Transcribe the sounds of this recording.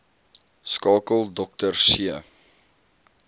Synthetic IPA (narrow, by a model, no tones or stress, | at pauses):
skɑːkəlˠdɔk̚tərsiə